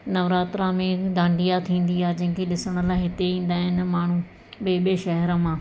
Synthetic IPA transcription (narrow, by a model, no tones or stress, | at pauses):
nɐʋɾaːt̪ɾãmẽd̪ãːɳɖijat̪ʰĩːn̆d̪iaːd͡ʑɐ̃ɦɪ̃kʰeɗɪsəɽ̃əlaːɪɦɪt̪eĩːn̆d̪aːɦɪnɪ̆maːɳ̤u | ɓeɓeʃɐɦɾə̆mãː